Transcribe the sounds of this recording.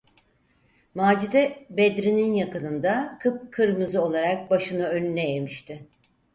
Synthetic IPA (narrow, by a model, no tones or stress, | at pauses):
maːd͡ʒid̪ɛbɛd̪ɾininjakɯnɯnd̪akʰɯp̚kʰɯɾmɯzɯo̞lˠaɾak̚baʃɯnɯø̞nynɛjemiʃt̪ʰɪ